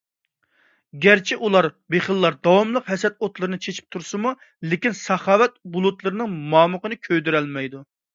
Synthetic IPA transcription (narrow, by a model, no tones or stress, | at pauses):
ɡʲæɾt͡ʃʰiʔulˠɑɾbeχəlˠːɑɾd̪ɑwɑmlˠəqɦɛsɛt̪̚ot̪lˠɨɾɨnɨt͡ʃʰet͡ʃʰi̥p̚t̪ʰuɾsɨmu | lɪkʲinsɑχɑːwɛt̪̚bulˠut̪lˠɨɾɨnɨŋmɑːməqənɨkʲʰød̪yɾɛlmɛjd̪u